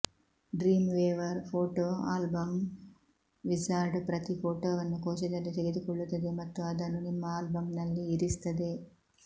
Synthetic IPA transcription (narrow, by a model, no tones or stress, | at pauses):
ɖɾiːmʋeːʋɐɾpʰoːʈoːa̰ːlbɐm | ʋid͡ʒaːɾɖpɾɐt̪ifoːʈoːʋɐnːukoːʃɐd̪ɐlːit̪eɡe̞d̪ukɔɭːut̪ːɐd̪e̞mɐt̪ːuɐd̪ɐnːunimːɐaːlbɐmnɐlːiːɾist̪ɐd̪e̞